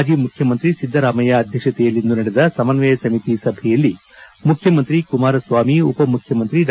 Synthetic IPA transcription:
d͡ʒimukʰjɐmɐnt̪ɾisid̪ʱːɐɾaːmɐjaːd̪ʱjɐkʂɐt̪ɛjɐlːind̪unɐɽɛd̪ɐsɐmɐnʋɛːjɐsɐmit̪isɐbʱɛjɐlːi | mukʰjɐmɐnt̪ɾikumaːɾɐsʋaːmiupɐmukʰjɐmɐnt̪ɾiɾ

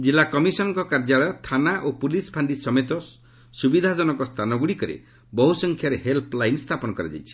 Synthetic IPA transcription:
d͡ʒilakɔmisɔnɔŋkɔkaɾd͡ʒaɭɔt̪ʰanaʔopulispʰaɳɖisɔmet̪ɔ | subid̪ʱad͡ʒɔnɔŋkɔst̪ʰanɔɡuɽikɔɾḛ | bɔɦusɔŋkʰjaɾeɦelpʰlajnst̪ʰapɔnɔkɔɾa̰d͡ʒa̰jt͡ʃʰi̥

